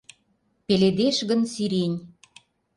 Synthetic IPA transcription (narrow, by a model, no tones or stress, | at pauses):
peled̪eʃɣənsiɾenʲ